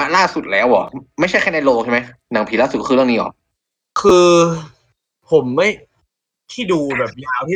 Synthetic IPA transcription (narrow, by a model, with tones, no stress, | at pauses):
a˧laː˥˩su˨˩t̪̚lɛː˦˥wʔɔ̰ː˨˩ma˥˩jʰa˥˩jʰka˥˩jna˧jloː˧k̚ŋt͡ɕʰa˥˩ma˦˥jna˩˦ŋpʰiː˨˩˦laː˥˩su˨˩kɔ˥ɯː˧ɾɯ˥˩əni˦˥ʔɔ̰ː˨˩k̚ | kʰɯː˧ | pʰo˩˦mːa˥˩j | t̪ʰiː˥˩duː˧bɛː˨˩p̚jaː˧wt̪ʰiː˥˩